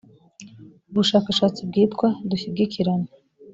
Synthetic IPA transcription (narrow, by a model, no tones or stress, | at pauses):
buʂakʷʰaʂat͡sʰʼɨb̚ɡʲejtʰʼkʷʰaduɕib̚ɡʲɪkʰʲiɾan